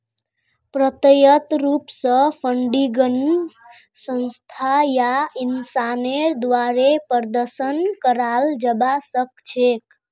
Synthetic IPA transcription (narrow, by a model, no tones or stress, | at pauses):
pɾət̪əjət̪ɾupsə̃pʰəɳɖiɡən | sə̃nst̪ʰajainsaned̪ʋaɾepəɾd̪əɾsənkəɾald͡ʒəbasək̚t͡ʃʰek